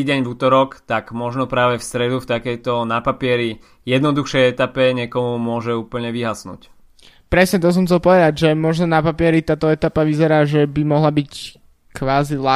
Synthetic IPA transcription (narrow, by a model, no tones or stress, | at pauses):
iɟɛɲvuːt̪ɔɾɔkt̪aɡmɔʒnɔpɾaːʋɛfst̪ɾɛd̪uft̪akɛjt̪ɔnapapɪɛɾi | jɛd̪nɔd̪uxʃɛjɛt̪apɛɲɛkɔmumʊɔʒɛuːpl̩ɲɛʋiɦasnṵːc | pɾɛsɲɛt̪ɔs̬ɔmxt͡sɛlpɔʋɛd̪aɟʒɛmɔʒnɔnapapɪɛɾit̪aːt̪ɔɛt̪apaʋizɛɾaːʒɛbimɔɦlabic | kʋaːzila